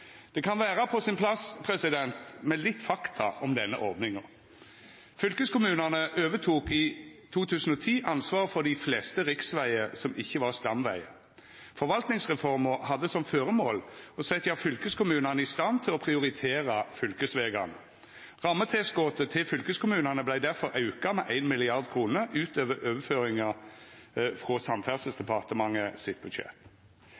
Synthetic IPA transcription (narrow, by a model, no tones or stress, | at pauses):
d̪̥ɛkʰɑnʋæːʁɑpʰɔsɪnpʰlɑspʰʁɛsɪd̪ɛnt̪mɛlɪt̪ːfɑkt̪ʰɑ̰ʔɔmd̪ɛnːə̰ʔɔʁd̪nɪŋəʁ | fʏlkəskʊmʉːnənəʔøːʋət̪ʰuːkiːt̪ʰuːt̪ʰʉːsən̩ɔːt̪ʰiːʔɑnsʋɑːʁfɔʁd̪ɪflɛːst̪əʁɪksʋæɪəsɔmɪçːəʋɑʁst̪ɑmʋæ̰ɪə | fɔɾʋɑlt̪nɪŋsʁɛfɔʁməhɑd̪ːəsɔmføːʁəmo̰ːlɔsɛt̪ɑfʏlkəskʊmʉːnɑnəɪst̪ɑnt̪ʰɪlɔpʰʁɪʊʁɪt̪ʰeːʁɑfʏlkəsʋeːɡɑnə | ʁɑmːət̪ʰɛːsɡoːt̪ət̪ʰɪlfʏlkəskʊmʉːnɑnəblæɪd̪æʁfɔɾʔɑʉkɑmɛʔæɪnmɪlɪɑʁd̪kʰʁuːnəʔʉːt̪øːʋəɾøːʋəføːʁɪŋɑ | fʁosɑmfæʁsəsd̪ɛpʰɑʁt̪əmɑŋːəsɪt̪̚bʉd̪ɕɛ̰p̪